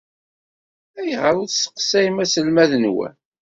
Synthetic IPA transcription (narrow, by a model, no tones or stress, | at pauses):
æjʁəɾˤʊsə̥qsæimæsəlmæðənwæ̰